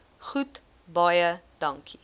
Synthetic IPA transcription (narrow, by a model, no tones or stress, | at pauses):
χut | bɐjədɐŋkʰi